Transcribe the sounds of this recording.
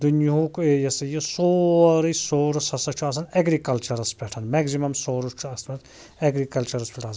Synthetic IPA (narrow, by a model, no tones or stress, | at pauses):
d̪unjɦukjɐsɐjisoːɾɨsoːɾusɐsɐt͡ʃʰuɐs̬ɐneɡɾikɐlt͡ʃɐɾɐspʰʲɛʈʰɐnmɛɡzimɐmsoːɾut͡ʃʰuɐst̪mɐt̪ | ɛɡɾikɐlt͡ʃɐɾɐspʲɛʈʰɐs